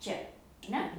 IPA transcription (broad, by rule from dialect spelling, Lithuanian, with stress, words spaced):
ˈt͡ʃʲɛ ɐr ˈnʲɛ